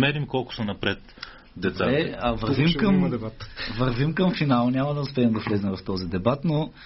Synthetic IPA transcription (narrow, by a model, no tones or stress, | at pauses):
mɛɾimkɔlˠkʊ̥sonɐpɾɛt̪ | d̪ɛt̪saɛɐvɐɾvimkɐmt̪vɐɾvimkɐmfinalˠnʲamɐd̪ɐʊspɛːmd̪ɐslɛzɛmvɐft̪ɔzid̪ɛbat̪no